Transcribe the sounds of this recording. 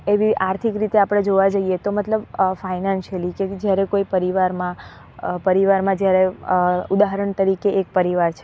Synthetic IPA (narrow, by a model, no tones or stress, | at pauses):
eʋiʔaɾt̪ʰikɾit̪eapəɽ̃ed͡ʒoʋad͡ʒəiet̪omət̪ləbfainanʃəliked͡ʒjaɾekoipəɾiʋaɾmã | pəɾiʋaɾmãd͡ʒjaɾeud̪aɦəɾəɳt̪əɾikeːk̚pəɾiʋaɾt͡ʃʰe